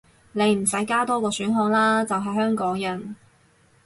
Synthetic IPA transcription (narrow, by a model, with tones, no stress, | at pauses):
ne˨˧jm̩˨˩sɐ˨˥jkaː˥t̪ɔː˥kɔː˧syː˨˥nɦɔː˧ŋlaː˥t͡sɐ˨wɦɐ˨jɦœː˥ŋkɔː˨˥ŋjɐ˨˩n